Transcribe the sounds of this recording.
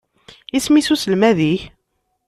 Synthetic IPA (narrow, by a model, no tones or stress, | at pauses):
ismisusəlmæðiç